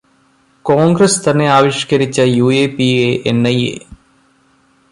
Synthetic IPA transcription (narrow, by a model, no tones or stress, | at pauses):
koːŋɡrɐst̪ɐnːe̞aːʋiʂkɐɾit͡ɕːɐjuːeːpieʔenːɐjḛ